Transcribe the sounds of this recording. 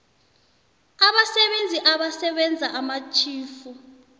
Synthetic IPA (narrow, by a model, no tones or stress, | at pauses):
aɓasɛɓend͡zʱiʔaɓasɛɓɛnd͡zʱaʔamat͡ʃʰʼiːfu